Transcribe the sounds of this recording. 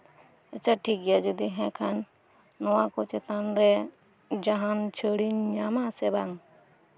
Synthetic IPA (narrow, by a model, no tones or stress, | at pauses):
ət͡ʃʰaʈʰik̚ɡɛjad͡ʒɔd̪iɦɛ̃kʰanː | ɔwakɔt͡ʃɛt̪anɾɛ | d͡ʒaɦant͡ʃʰəɽiɲɲamasɛbaŋ